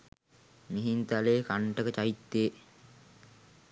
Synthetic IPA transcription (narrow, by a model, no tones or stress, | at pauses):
miɦint̪aleːkaɳʈəkət͡ʃait̪ːeː